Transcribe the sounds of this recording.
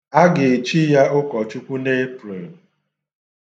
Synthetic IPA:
a˦ɡɪ˨e˨t͡ʃi˦ja˦ʊ˦kɔ˨t͡ʃu˦kʷu˦ne˦pɾe˨

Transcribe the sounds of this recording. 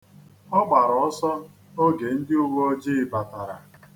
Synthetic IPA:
ɔ˦ɡ͡ba˨ɾɔ˨ɔ˦sɔ˦ | o˦ɡe˨n̩˦dɪ˦u˦ɡ͡bo˦ɔ˦d͡ʒi˦ɪ˨ba˨ta˨ɾa̰˨

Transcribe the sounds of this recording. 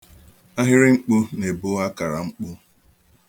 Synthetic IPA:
a˦ɦɪ˦ɾɪ˦ŋ͡m̩˦k͡pʊ˦ne˨bʊ˦a˦ka˨ɾa˨ŋ͡m̩˦k͡pʊ˦

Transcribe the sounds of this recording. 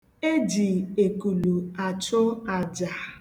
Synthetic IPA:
e˦d͡ʒi˨e˨ku˨lu˨a˨t͡ʃʊ˦a˨d͡ʒa˨

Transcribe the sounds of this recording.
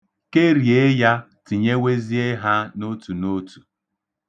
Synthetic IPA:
ke˦ɾi˨e˦ja˦ | tɪ˨ɲe˦we˦zi˦e˦ɦa˦no˦tu˨no˦tu̥˨

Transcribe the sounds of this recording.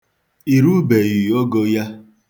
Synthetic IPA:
i˨ɾu˦be˨ji˨o˦ɡo˦ja˦

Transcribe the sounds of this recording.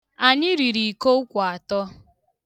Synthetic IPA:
a˨ɲɪ˦ɾi˨ɾi˨ko˦ʊ˦kʷa˨tɔ˦

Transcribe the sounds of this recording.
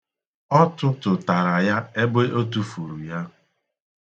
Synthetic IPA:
ɔ˦tʊ˦tʊ˨ta˨ɾa˨ja˦e˦be˦ʔo˦tu˦fu˨ɾu˨ja˦

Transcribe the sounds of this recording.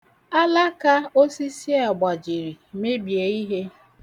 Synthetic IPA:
a˦la˦ka˦o˦si˦si˦a˨ɡ͡ba˨d͡ʒi˨ɾi˨me˦bje˨˦i˦ɦe˦

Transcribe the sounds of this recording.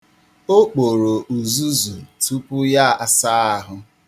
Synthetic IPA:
o˦k͡po˨ɾo˨ʔu˨zu˦zu˨tu˦pʊ˦ja˦a˨sa˦a˦ɦʊ˦

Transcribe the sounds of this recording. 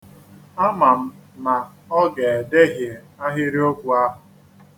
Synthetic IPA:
a˦ma˨m̩˦na˨ | ɔ˦ɡe˨e˨de˦ɦɪ˨ | a˦ɦɪ˦ɾi˦o˦kʷu˨a˦ɦʊ˨

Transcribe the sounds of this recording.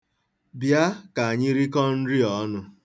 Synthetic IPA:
bja˦ka˨a˨ɲɪ˦ɾi˦kɔ˦n̩˦ɾi˦ɔ˨˦nʊ˦

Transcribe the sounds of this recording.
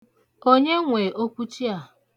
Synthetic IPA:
o˦ɲe˦ŋʷe˨ʔo˦kʷu˦t͡ʃi˦a˨

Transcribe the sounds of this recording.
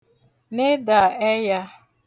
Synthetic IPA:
ne˦da˨ɛ˦ja˦

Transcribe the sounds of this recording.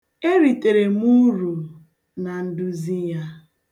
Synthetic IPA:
e˦ɾi˨te˨ɾe˨m˦u˦ɾu˨ | na˨n̩˦du˦zi˦ja˦

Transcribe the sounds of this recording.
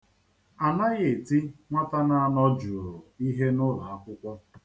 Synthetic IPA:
a˨na˦ɣe˨ti˦ŋʷa˦ta˦na˦a˦˨nɔ˦d͡ʒu˨ɾʊ˨i˦ɦe˦nʊ˦la˨a˦kʷʊ˦kʷɔ˦

